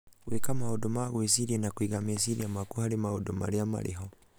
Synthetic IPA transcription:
wekamahodomaɣwesiɾienakwiɣamesiɾḭamakuhaɾimahodoma̰ɾiama̰ɾḭɦɔ

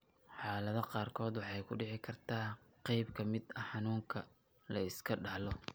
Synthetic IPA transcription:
ħɑːlɐðɐqɑːrkʰɔːd̪wɑħɑjkʰʊɖɪʕɪkʰɐrt̪ʰaːqɛjbkʰɐmɪd̪ɐħɑnuːŋkʰɐ | lɐɪskʰɐɖɐhlɔ

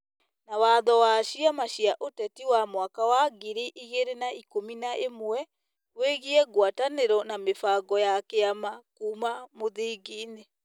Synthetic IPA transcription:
nawaðɔwaʃiamaɕiaʔotɛtiwamwakawaɡiɾiʔiɣeɾenaikominaʔemwɛ | weɣiɛɣwataneɾɔnamefaɡɔjakeamakuːmamoðiɡiːne

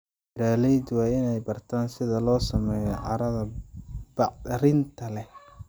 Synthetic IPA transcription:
ɪɾaːlɛjd̪wɑːɪnɛjbɐrt̪ʰaːnsɪðɐlɔːsɐmɛːjɔʕɑɾɐðɐbɑɾɪnt̪ʰɐlɛh

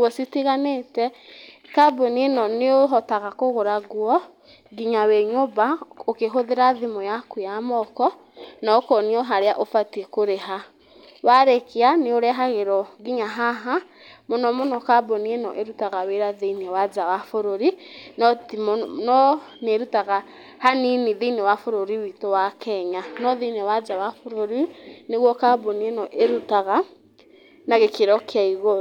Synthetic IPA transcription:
wɔsitiɣanetɛ | kabɔnienɔneoɦɔtaɣakoɣoɾaɣuɔ | ɡiɲaweɲobaokeɦoðeɾaðimɔjakujamɔkɔ | nakɔniɔɦaɾeaʔofatiekoɾeɦa | waɾekeaneoɾɛɦaɣeɾɔɡiɲaɦaɦa | mɔnɔmɔnɔkabɔniɛnɔ̰ʔeɾutaɣaweɾaðeinewad͡ʒawafoɾoɾinɔtimnɔneɾutaɣa | haniniðeinewafoɾoɾiwitowakʰɛɲanɔðenewad͡ʒawafoɾoɾineɣwɔkabɔniɛnɔʔeɾutaɣa | naɣekeɾɔkeaiɣo

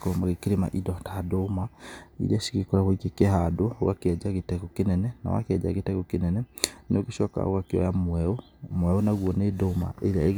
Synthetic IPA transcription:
kɔmaɣekeɾema̰ʔidɔtadomaḭɾaʃi̥ɣekɔɾaɣoikekɛɦadoowa̰kɛd͡ʒaɣetɛɣokenɛnɛna̰wa̰keɛd͡ʒa̰ɣetɛɣokenɛnɛneoɣeʃɔka̰o̰ɣakeɔ̰jamwɛo | mwɛonaɣwɔnedoma̰eɾa̰eɣ

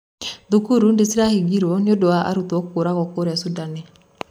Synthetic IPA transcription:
ðukuɾundesiɾahiɡiɾwɔniodoaʔa̰ɾutwɔkkoɾaɣɔkoɾɛasudani

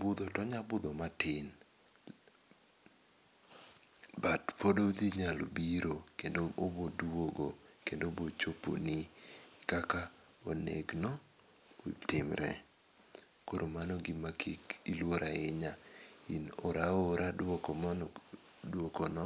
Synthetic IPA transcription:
bʊd̪ɔtɔɲabʊd̪ɔmatɪn | batpodod̪iɲalobiɾokendoobodwoɡokendobot͡ʃopo̰nɪkaka | onḛɡnɔ | otɪmɾɛ̰ | koɾomanɔɡɪmakʰikilwoɾʔaɪɲaḭnoɾaoɾʔadwɔkɔmɔndwokɔnɔ

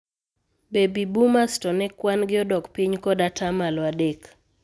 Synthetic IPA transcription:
bebibumastɔnɛkwanɡɪɔdɔkpiɲkɔdatamalwadek

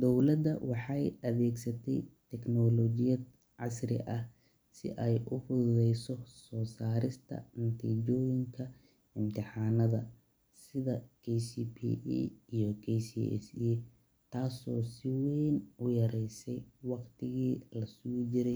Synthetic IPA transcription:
d̪ɔwlɐd̪ɐwɑħɑjɐβɛːɡsɐt̪ʰɛjt̪ʰɛknɔlɔːd͡ʒɪjɐd̪ | ʕɑsrɪ̰ʔɐh | sɪ̰ʔɛjʔʊfʊððɛjsɔsɔːsaːɾɪst̪ʰɐ̰nɐt̪ʰiːd͡ʒɔːjɪŋkʰɐ | ɪmt̪ʰɪħɑːnɐðɐ | sɪðɐkʰɛsiːpʰḭijɔkʰɛsḭɛ̰si | t̪ʰaːsɔːsɪwɛːnʊjɐɾɛjsɛjwɑqt̪ʰɪɣiːlɐsuːd͡ʒɪɾɛj

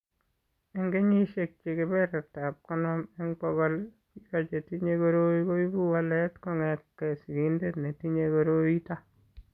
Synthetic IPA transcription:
eŋɡeɲiʃek̚t͡ʃikɪbɛɾɛtap̚kɔnɔmeŋkɔɡɔlkikat͡ʃetiɲekoɾoikoibuwalɛtkɔŋɛt̚kɛsiɡindetnetiɲekoɾoita

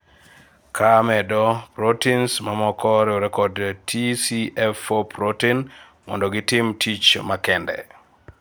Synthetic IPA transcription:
kʰamɛdɔpɾotinsmamɔkɔɾɪoɾɛkɔdtʰisiɛfopɾotin | mɔ̰ndɔɡɪtɪmtʰit͡ʃmakɛndɛ̰

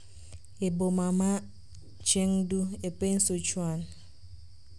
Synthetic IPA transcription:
ebomama | t͡ʃeŋ̩duepen̩sot͡ʃwan

